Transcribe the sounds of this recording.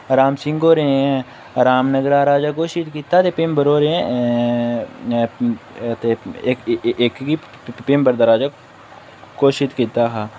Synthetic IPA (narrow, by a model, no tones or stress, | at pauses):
ɾaːmsɪ̃ŋɡoːɾeɛ̃ | ɾaːmnəɡɾaːɾaːd͡ʒaːk̬oːʃɪt̪kiːt̪aːt̪eːpɪmbəɾoːɾeɛ̃ | t̪eː | kki | pɪmbəɾd̪aːɾaːd͡ʒaː | koːʃɪt̪kiːt̪aːɦaː